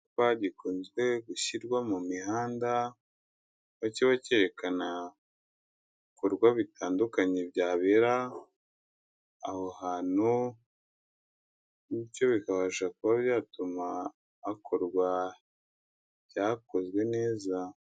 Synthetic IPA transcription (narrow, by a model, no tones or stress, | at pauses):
waɟikonzɡwe̞ɡuçiɾɡwamumihaːnda | βaciβace̞ɾe̞kana | koɾɡwaβitʰaːndukaɲebjaːβeɾa | ho̞haːn̥u | nico̞βikaβaʒakuβaβjaːtumaː | kʰo̞ɾɡwa | jako̞zwe̞ne̞ːza